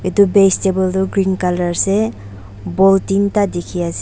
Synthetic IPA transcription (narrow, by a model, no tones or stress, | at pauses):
etubestebɔltuɡɾinkalaɹsɛ | bɔltintadekʰias